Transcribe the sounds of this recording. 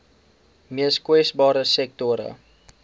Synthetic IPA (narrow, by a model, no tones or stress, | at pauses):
miəskwɛsbɑːɾəsɛk̚tɔɾə̰